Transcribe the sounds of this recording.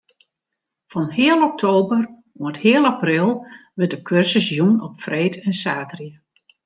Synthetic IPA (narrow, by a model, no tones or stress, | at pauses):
fɔnhɪəlˠɔk̚tʰoːbər | uəthɪːəlˠaprɪlˠʋɪtdəkʰørsəsjunɔpfreːtʰɛnsaːtriə